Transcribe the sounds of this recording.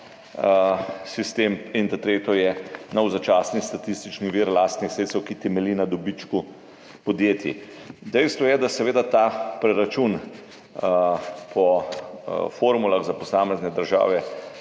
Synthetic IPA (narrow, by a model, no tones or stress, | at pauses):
sist̪eːmint̪at̪ɾeːt̪ɔjɛnɐwzat͡ʃaːsnist̪at̪ist̪it͡ʃniʋiːɾlaːst̪nixsɾeːt̪swkit̪ɛmɛlinad̪ɔbit͡ʃku | pɔd̪jeːt̪jḭ | d̪ɛjst̪ʋɔjɛd̪asɛʋeːd̪at̪apɾɛɾat͡ʃun | pʰɔ | foːɾmulaɣzapɔsaːmɛznɛd̪əɾʒa̰ːʋɛ